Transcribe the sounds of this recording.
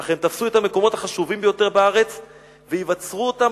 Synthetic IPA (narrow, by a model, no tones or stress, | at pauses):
aχemt̪afsuet̪hame̞ko̞mo̞t̪haχaʃuvimbejo̞t̪e̞ʁbaaʁe̞t͡s | veivat͡sʁuota